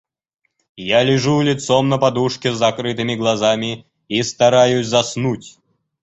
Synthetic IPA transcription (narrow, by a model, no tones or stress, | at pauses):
jalʲɪʐulʲɪt̪somnəpɐd̪uʂkʲɪzːɐkɾɨt̪ɨmʲɪɡlˠɐzamʲɪ | ist̪ɐɾajʊsʲzɐsnutʲ